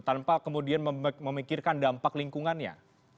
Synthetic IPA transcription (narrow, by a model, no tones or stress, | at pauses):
t̪anpakəmudianəməmikirkandampakliŋkuŋanja̰